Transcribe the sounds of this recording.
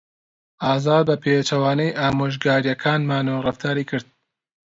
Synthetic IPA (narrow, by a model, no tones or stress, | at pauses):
ʔaːzaːd̪̚bɐpʰet͡ʃɐwaːnɛjʔaːmoːʒɡaːɾjɐkʰaːnmaːnoːrɨft̪ʰaːɾiːkɨɾd̪̚